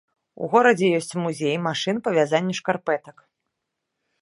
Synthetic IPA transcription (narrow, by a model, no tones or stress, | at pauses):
ṵɣɔɾɐd͡zʲɛjɔsʲt͡sʲmuzʲejmaʂɨnpɐvʲazanʲːɐʂkarpɛt̪ɐk